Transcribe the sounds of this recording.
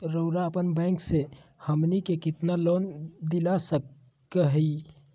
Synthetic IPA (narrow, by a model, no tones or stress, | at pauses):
ɾəʊɾaəpənbɛ̃ːŋksehəmnikekɪt̪naloːnd̪ɪlasə | kəɦi